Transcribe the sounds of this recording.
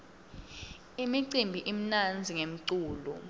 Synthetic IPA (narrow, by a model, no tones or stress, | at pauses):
imiǀimbʱiʔim̩nand͡zʱiŋem̩ǀuːlṵ